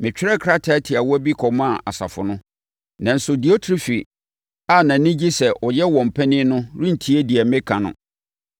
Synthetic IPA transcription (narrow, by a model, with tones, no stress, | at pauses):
mɪ̃˨t͡ɕᶣɪ˦ɾɛ˦kʰɾa˦tʰa˨˦tʰɪ˨a˨wɔ˦æ˦bi˦kʰɔ˨m˦a˨ʔa˨sa̰˨fʊ̰˨nʊ̃˦ | nã˨n̩˦sʊ˨di˨o˦tʰɾi˦fi˨ | a˦˨nã˨nĩ˦d͡ʑi˦sɛ˨ʔɔ˨jɛ˦wɔ̃˨m̩˨pʰɛ̃˦nɪ̃˦nʊ̃˦ɾũ˦n̩˨tʰi˦e˦di˨ɛ˨mɪ̃˦kʰã˨nʊ̰̃˦